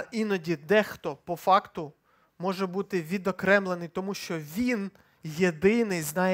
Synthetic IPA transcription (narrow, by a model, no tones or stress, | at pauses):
ʔinɔdʲid̪ɛxt̪ɔpɔfɑkt̪ʊ | mɔʒɛbut̪ɪʋʲid̪ɔkɾɛmlˠenɪjt̪ɔmuʃt͡ʃɔʋʲin | jed̪ɪnɪjznɑj